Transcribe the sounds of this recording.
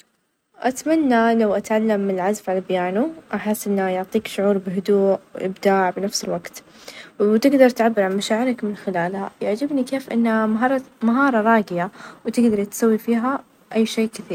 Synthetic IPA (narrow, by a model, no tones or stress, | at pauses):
ʔat̪manːalawʔat̪ʕalːamːɪlʕazfʕalabjaːnuʔaħɪsːʔɪnːajʊʕt̪ˤiːkʃʊʕuːɾˤbɪɦʊd̪uːʔw̰ʔɪ̰bd̪aːʕbɪnafsɪlwaɡt̪ | wwt̪ɪɡd̪ɑɾˤt̪ʕabːɪɾˤʕamaʃaːʕɪɾakmɪnxɪlaːlha̰jaʕd͡ʒɪbnikeːfʔɪ̰nːaɾˤmaɦɑːɾˤɑɾˤɑːɡɪjawt̪ɪɡd̪ɑɾˤt̪sawːifiːɦa | ʔajːʃeːkɪθiːɾ